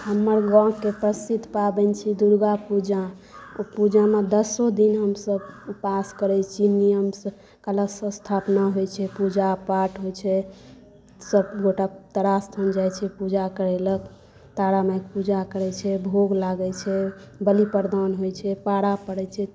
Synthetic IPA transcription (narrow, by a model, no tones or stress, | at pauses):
ɦəmːəɾɡɔ̃kːepəsid̪ʱpabɛnt͡ʃʰid̪uɾɡapud͡ʒa | pud͡ʒamed̪əsod̪inɦəmsəbpaskəɾɛt͡ʃʰinijəmsə | kələsə̃st̪ʰapnaɦojt͡ʃʰɛpud͡ʒapaʈɦojt͡ʃʰɛ | səbɡoʈat̪əɾast̪ʰənd͡ʒajt͡ʃʰɛpud͡ʒakəɾɛlək | t̪aɽamajk̚pud͡ʒakəɾɛt͡ʃʰɛbʱoɡlaɡɛt͡ʃʰɛbəlipəɾd̪anɦojt͡ʃʰɛpaɽapəɽɛt͡ʃʰɛ